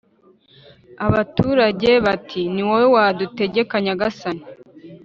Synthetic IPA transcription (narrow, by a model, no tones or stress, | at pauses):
aβatuːɾaɟe̞βatʰiniwowewadute̞ɟe̞kaɲaɡasani